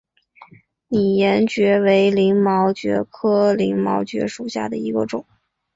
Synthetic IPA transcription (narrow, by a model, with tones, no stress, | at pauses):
ni˨˩jɛ˧˥nt͡ɕɥɛ˧˥we˧˥ɪli˧˥ŋmɑ˧˥ʊt͡ɕɥɛ̰˧˥kʰɤ˥li˧˥ŋmɑ˧˥ʊt͡ɕɥɛ̰˧˥ʂu˨˩ɕja̰˥˩d̪ə˩i˧˥ɡə˧ʈ͡ʂʊ˨˩˦